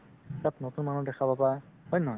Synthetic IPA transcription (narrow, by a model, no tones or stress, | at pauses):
tap̚notunmanudɛkʰabapahɔjnɔ